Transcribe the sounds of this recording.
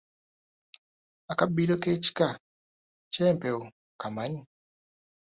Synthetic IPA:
akabilokeːt͡ʃi̥ka | t͡ʃɛːmpeo | kamaɲi

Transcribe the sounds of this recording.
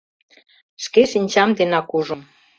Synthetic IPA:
ʃkeʃinʲt͡ɕɑmd̪enɑkuʒum

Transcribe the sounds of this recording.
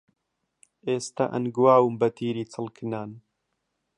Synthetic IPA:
ʔeːst̪a̰ʔɐ̰nɡwaːwɨmbɐt̪ʰiːɾiːt͡sʰɨlkʰɨnaːn

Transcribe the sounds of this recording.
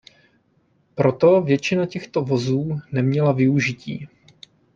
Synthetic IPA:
pɾo̞t̪o̞vjɛt͡ʃɪnacɛxt̪o̞vo̞zuːnɛmɲɛlavɪuʒɪciː

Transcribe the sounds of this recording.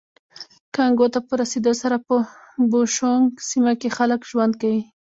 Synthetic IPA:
kaŋɡot̪apəɾased̪osaɾapə | boʃoŋɡsimakexaləkʒwand̪kawi

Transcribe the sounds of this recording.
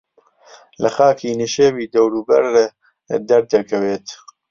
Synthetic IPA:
lɐxaːkʰiːniʃeːviːd̪ɐwɾuːbɐɾː | d̪ɐɾd̪ɐɾkʰɐweːt̪

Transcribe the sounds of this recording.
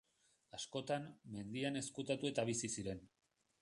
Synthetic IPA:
asko̞t̪amme̞nd̪iane̞skut̪at̪ue̞t̪aβ̞isisiɾe̞n

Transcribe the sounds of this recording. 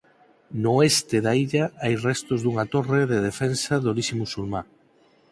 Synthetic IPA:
noɛst̪eðaiʎaajrɛst̪ozðuŋat̪oreðeðefɛnsaðolisimusulma

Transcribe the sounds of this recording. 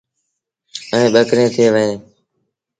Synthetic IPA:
əẽːɓəkɾẽːt̪ʰɪeːʋəɦẽː

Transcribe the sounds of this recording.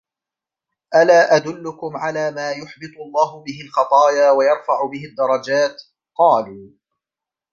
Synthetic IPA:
ʔalaːʔad̪ʊlːʊkʊmʕalaːmaːjʊħbɨt̪ˤʊlˤːɑːɦʊbɪɦɪlxɑt̪ˤɑːjaːwajɑɾˤfaʕʊbɪɦɪd̪ːɑɾˤɑd͡ʒaːt̪ | qɑːluː

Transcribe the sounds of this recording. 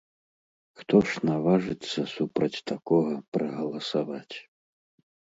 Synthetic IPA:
xt̪ɔʂnavaʐɨt̪sːɐsupɾɐt͡sʲt̪akɔɣɐpɾɐɣɐlˠɐsavat͡sʲ

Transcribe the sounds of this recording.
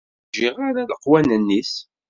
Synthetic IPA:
ʒɪʁaɾaləqːwænənːis

